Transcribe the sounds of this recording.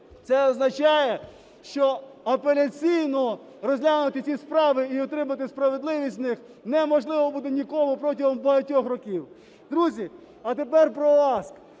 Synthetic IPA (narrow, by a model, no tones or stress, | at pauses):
t̪sɛɐznɐt͡ʃɑjɛ | ʃt͡ʃɔɐpelʲɐt͡sʲijnɔ | ɾɔzʲlʲanʊt̪ɪt͡sʲispɾɑʋɪiɔt̪ɾɪmɐt̪ɪspɾɐʋed̪lˠɪʋʲisʲt̪ʲnɪx | nɛmɔʒlˠɪʋɔbud̪enʲikɔmʊpɾɔtʲiɦɔmbɐɦɐtʲɔxrɔkʲiw | d̪ɾuzʲi | ɐt̪epɛrpɾɔɑsk